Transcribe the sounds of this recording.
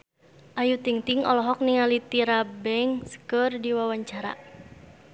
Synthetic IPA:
ʔajut̪iŋt̪iŋɔlɔɦɔk̚niŋalit̪iɾabɛŋsə̥kərdiwawaɲt͡ʃaɾa̰

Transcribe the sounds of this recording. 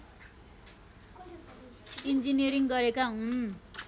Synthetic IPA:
ind͡ziniʌɾiŋɡʌɾekaɦũ

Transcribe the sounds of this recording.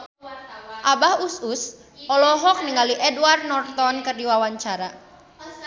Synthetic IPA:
ʔabahusus | ʔɔlɔɦɔk̚niŋaliʔɛdwar̚nɔrt̪ɔnkɨrdiwawaɲt͡ʃaɾa

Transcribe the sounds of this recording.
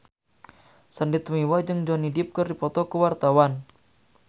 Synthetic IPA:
səndɪt̪miwad͡ʒɨŋd͡ʒɔnidɪp̚kɨrdipɔt̪ɔkuwart̪awan

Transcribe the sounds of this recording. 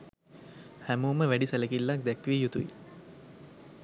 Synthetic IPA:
hæmuːməʋæɖisələkilːak̚d̪ækʋiːjut̪uḭ

